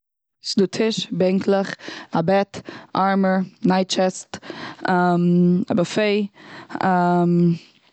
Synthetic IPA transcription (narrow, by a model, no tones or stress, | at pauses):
sɪduːtʰɪʃbɛŋkʰlˠəχabɛtaɹməɹnaɪtt͡ʃɛstama̰bafeɪam